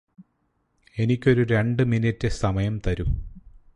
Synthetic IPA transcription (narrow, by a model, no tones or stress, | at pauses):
e̞nikʲːo̞ɾuɾe̞ɳɖɨminitːɨsɐmɐjɐmt̪ɐɾu